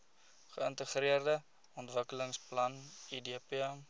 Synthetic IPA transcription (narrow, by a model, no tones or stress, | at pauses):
χəəntəχriərdə | ɔntvəkələŋsplɐnidiəpiɛm